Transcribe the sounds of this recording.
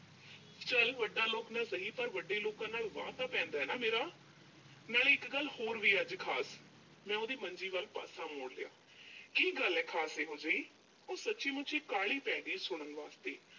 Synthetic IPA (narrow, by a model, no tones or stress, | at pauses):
t͡ʃəlʋəɖːaːloːknaːsəɦiːpəɾʋəɖːeːloːkãːnaːlʋãːt̪aːpɛ̃ːnd̪aːɛːnaːmeːɾaː | naːlɪkɡəlːhoːɾʋiːəd͡ʒkʰaːs | mɛ̃ːʊd̪iːməɲd͡ʒiːʋəlpa̰ːsãːmoːɽlɪa̰ː | kiːɡəlɛːkʰaːseːɦoːd͡ʒaːiː | oːsətːʃiːmʊt͡ʃʰikaːɭiːpɛ̃ːd̪iːsʊɽ̃ənʋaːst̪eː